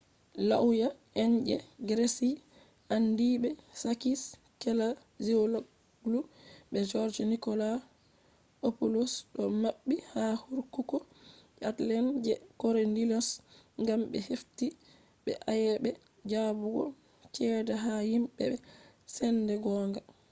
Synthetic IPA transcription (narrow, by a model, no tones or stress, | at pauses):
la̰wjaʔɛɲd͡ʒɛ̰ɡɾesi | ʔandibɛsakis | kɛla | ziolo | ɡlubɛd͡ʒɔɾd͡ʒnikɔla | opolosɗɔmaɓːihahuɾkukɔ | atlɛnd͡ʒɛkɔɾendilɔs | ŋɡambɛ̰hefti | ɓɛ̰ʔajɛbɛ | d͡ʒabuɡɔ̰ | t͡ʃɛːdaɦahimɓɛɛ | sɛndɛɡɔːŋɡa